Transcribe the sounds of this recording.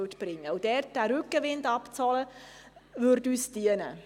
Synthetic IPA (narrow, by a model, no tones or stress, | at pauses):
tb̥ɾɪŋːəud̥ɛɾt̚d̥æːɾʉkːəʋɪndɑpt͡sɔlə | vʏɾdyːsd̥iənə̰